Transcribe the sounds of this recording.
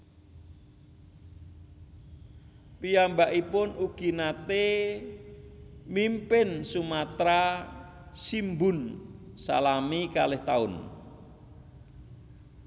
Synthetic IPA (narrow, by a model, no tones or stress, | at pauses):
pijambaʔipʊnuɡ̥i̤nat̪e | mimpɪnsumat̪ɾa | simbʊn | sa̰lamika̰lɪht̪aʊn